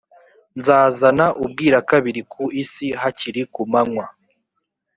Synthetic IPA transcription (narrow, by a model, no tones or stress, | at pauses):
nzaːzanaʔub̚ɡiːɾakaβiɾikʰuisiɦaciɾikumaŋwa